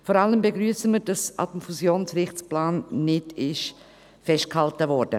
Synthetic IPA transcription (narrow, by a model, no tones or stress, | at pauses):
fɔɾaləmbeɡɾyːəsəməɾd̥ɑsʔa̰dəmfuzjoːnsɾɪχt͡splaːnːɪdɪʃ | fɛʃt̚khaltəvɔɾd̥ə̰